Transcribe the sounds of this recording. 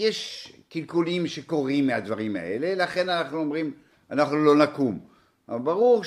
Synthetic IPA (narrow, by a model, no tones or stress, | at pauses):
jeʃkilkulimʃeko̞ʁimːead̪vaʁima̰e̞̰lelaχe̞nanaχnuomʁim | anaχnulo̞nakum | baʁuʁ